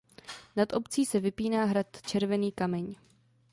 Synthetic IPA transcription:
nat̪ʔo̞pt͡siːsɛvɪpiːnaːɦɾat̪t͡ʃɛɾvɛniːkamɛɲ

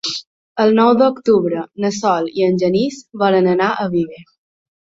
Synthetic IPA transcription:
əlˠnɔwd̪əukt̪uβɾənəsɔlḭənʲʒənizβɔɾənənaʔəβiβə

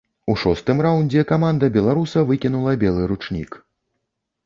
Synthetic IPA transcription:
uʂɔst̪ɨmrawnʲd͡zʲɛkamand̪ɐbʲɛlˠaɾusɐvɨkʲinulˠɐbʲɛlˠɨɾut͡ʂnʲḭk

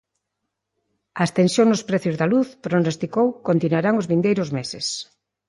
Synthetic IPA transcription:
ɐest̪ensjoŋnʊspɾɛθjʊzðɐluθpɾonost̪ikowkont̪inwaɾaŋʊzβind̪ejɾʊzmesɪs

